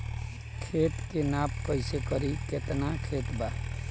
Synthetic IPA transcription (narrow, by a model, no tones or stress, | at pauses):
kʰet̪kenap̚kʌjsekʌɾiket̪nakʰet̪ba